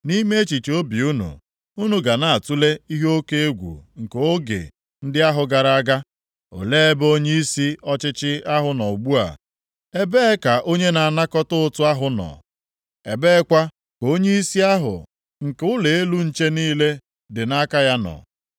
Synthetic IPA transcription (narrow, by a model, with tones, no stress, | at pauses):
ni˦me˦e˦t͡ʃi˨t͡ʃo˦bi˨u˦nṵ˨ | u˦nu˨ɡa˨na˨a˨tu˦le˦i˦ɦo˦ke˦e˦ɡʷṵ˨ŋ̩˨ke˨o˦ɡḛ˨ | n̩˦dɪ˦a˦ɦʊ˨ɡa˨ɾa˦a˦ɡa˦ | o̰˨le˦e˦bo˦ɲe˦i˦si˦ɔ˦t͡ʃɪ˦t͡ʃɪ˦a˦ɦʊ˨nɔ̰˨ɡ͡bu˦a̰˨ | e˦be˦ka˨ʔo˦ɲe˦na˨a˨na˦kɔ˦tʊ˦ʊ˦tʊ˦a˦ɦʊ˨nɔ̰˨ | e˨be˦kʷa˦ | ko˦ɲe˦i˦si˦a˦ɦʊ̰˨ | ŋ̩˨ke˦ʊ˦le˨e˦lu˦n̩˦t͡ʃe˦niː˦le˦ | dɪ˨na˦ka˦ja˦nɔ̰˨